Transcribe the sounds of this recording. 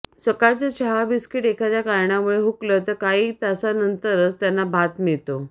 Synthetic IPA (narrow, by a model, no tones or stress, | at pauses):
səkaɭt͡sət͡ɕəɦabiskiʈekʰat͡ɕjakaɾɳamuɭeɦuklət̪əɾkaɦiːt̪asanənt̪əɾəst̪janːabʱat̪miɭt̪o